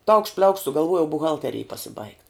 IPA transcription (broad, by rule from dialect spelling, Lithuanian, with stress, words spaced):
tɐʊkʃt pʲlʲɛʊkʃt sʊɡɐlˠˈʋuɔjɛʊ bʊˈɣɐlʲtʲɛrʲeːj pɐsʲɪbɐɪkt